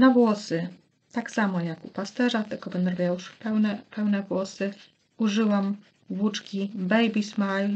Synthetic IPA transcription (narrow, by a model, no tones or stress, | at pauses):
navwɔsɘ | t̪aksamɔjakupast̪ɛʐat̪ɘlkɔpɛnd̪ɾɔvʲjauʂpɛwnɛpɛwnɛvwɔsɘ | uʐɘwam | vut͡ʂkʲibɛjbʲismaj